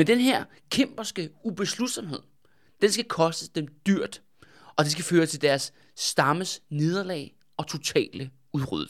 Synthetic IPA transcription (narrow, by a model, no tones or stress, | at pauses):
mend̥enɦeɐ̰ | kʰem̰b̥ɐsɡ̥əub̥e̝slud̥sɒ̽mhe̝ð̞̰ˠ | d̥ensɡ̥ækʰɒ̽sd̥əsd̥emd̥yɐ̰d̥ | ɒ̽d̥e̝s̬ɡ̥æføːɐst͡sʰe̝ld̥æɐsː | d̥ɑ̈məsne̝ð̞ˠɐlɛ̰ɪ | ɒ̽t͡sʰo̝t͡sʰɛ̰ːlə | uʁy̰ð̰ˠ